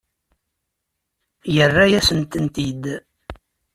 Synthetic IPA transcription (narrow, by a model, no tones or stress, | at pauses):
jərːæjæsənt̪ənt̪id̪